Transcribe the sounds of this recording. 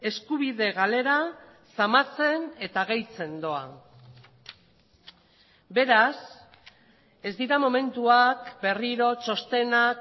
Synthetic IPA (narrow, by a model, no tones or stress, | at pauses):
e̞skuβiðe̞ɣale̞ɾa | samat͡se̞ne̞t̪aɣ̞ejt͡se̞nd̪o̞a | be̞ɾas | e̞zd̪iɾamo̞me̞nt̪uakbe̞riɾo̞t͡ʃo̞st̪e̞nak